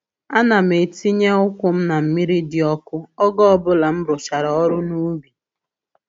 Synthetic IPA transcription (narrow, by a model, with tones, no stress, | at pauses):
a˦na˨m̩e˨ti˦ɲe˦ʊ˦kʷʊ˦m̩˦na˨m̩˨mi˦ɾi˦dɪ˨ɔ˦kʊ˦ɔ˦ɡɔ˦ɔ˦bʊ˦la˨m̩˦bʊ˨t͡ʃa˨ɾɔ˨ɔ˦ɾʊ˦nu˦bi˨